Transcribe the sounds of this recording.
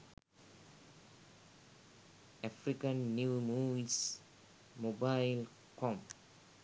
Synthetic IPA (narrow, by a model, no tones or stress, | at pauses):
afɾikə̃nːjuːmus | mobaɪl | kʰɔ̃m